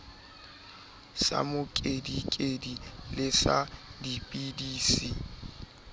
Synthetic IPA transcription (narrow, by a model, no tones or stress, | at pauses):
sa̰mʊkʼedikʼedilɪsadipʼidiːsi